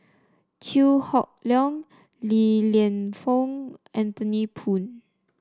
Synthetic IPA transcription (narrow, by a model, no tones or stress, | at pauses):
t͡ʃʰuhɔk̚lɔ̃ŋ | liliə̃nfɔ̃ŋɛ̃nt̪ənipʰũn